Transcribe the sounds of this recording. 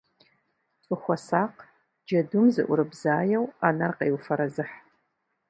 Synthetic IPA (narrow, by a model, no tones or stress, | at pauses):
t͡sʼʊxʷɔsaːq | d͡ʒɐdumzɨ̰ʔʷʊɾɨbzaːjɛwaːnarqewufɐɾɐzɨħ